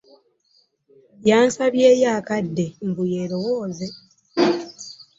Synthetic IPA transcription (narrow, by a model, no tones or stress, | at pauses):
jaːnsaβjeːjaːkadːe̞m̩buje̞ːlo̞wo̞ːze̞